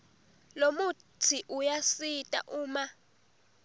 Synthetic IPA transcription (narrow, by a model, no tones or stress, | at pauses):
lomu | tʰiʔujasitʼa̰ʔuːma